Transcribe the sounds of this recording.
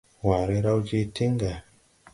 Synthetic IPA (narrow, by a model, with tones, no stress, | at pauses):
wa˨ɾe˦ɾa˦wd͡ʒe˦tʰi˦ŋɡa˨